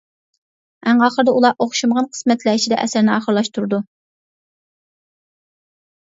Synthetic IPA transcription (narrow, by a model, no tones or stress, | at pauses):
æŋɑːχəɾd̪ɛʔulˠɑʔoχʃumʁɑnqʰə̥smɛt̪ʰlæːt͡ʃʰid̪ɛ̰ʔɛ̰sæɾnɪɑːχəɾlˠɑʃt̪ʰuɾɨd̪u